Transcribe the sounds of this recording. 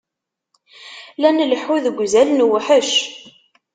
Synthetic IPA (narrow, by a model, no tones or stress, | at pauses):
lænləħuðəɡʷzælnwħəʃ